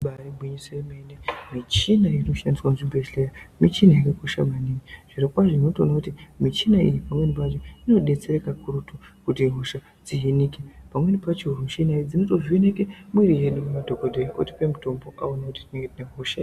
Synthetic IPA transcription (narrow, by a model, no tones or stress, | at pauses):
ɓaribʱwiɲiseemendemit͡ʃinaino̞ʃandiswanʐibʱesɬejamit͡ʃinajikekoʃa̰manimiʐ̥iɾekwaʐoino̞to̰nakutimit͡ʃinaḭjipamwe̞nipat͡ʃoino̞ɗe̞t͡se̞ɾekakuɾutukutiɦoʃa | d͡ziɦinikepamwe̞nipat͡ʃiɦurumʃinaid͡zinotoziinekemwiɾije̞ɗummadʱokodʱejiʔoti̥pemuto̞mbo̞ʔaonakuti̥tine̞ŋɡetineɦoʃa